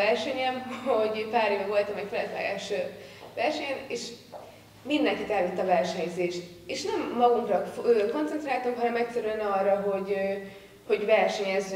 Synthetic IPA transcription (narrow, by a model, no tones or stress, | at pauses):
ɛrʃɛɲɛmho̞ɟpaːɾeːvɛʋo̞lt̪ɒmɛkfɛlɛ̰t̪lɛ̰ɡa̰ːʃøvɛrʃɛɲɛneːʃ | mind̪ɛŋkit̪ɛlvit̪ːɒvɛrʃɛɲzeːʃt̪ | eːʃnɛmːɒɡuŋkrɒøko̞nt̪sɛnt̪raːlt̪uŋkɦɒnɛmɛcsɛɾyɛnɒrːɒɦo̞ɟ | ho̞ɟvɛrʃɛɲɛzːy